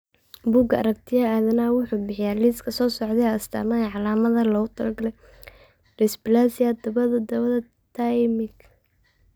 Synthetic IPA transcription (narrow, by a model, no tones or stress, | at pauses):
buːɡɐ̰ɾɐk̚t̪ʰɪjaaːðɐnaːwʊħuːbɪħɪjaːliːskʰɐsɔːsɔʕd̪ɛɐst̪ʰa̰ːmɐɛʕɑlaːmɐðɐlɔʊt̪ʰɐlɡɐlɛj | rɪsbɪlaːsɪjad̪ɐβɐðɐd̪ɐβɐðɐ | t̪ʰajmɪɡ